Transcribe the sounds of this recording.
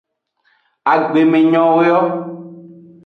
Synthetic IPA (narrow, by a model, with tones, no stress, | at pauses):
a˨ɡ͡be˨mẽ˨ɲɔ̃˨wo˦jɔ˦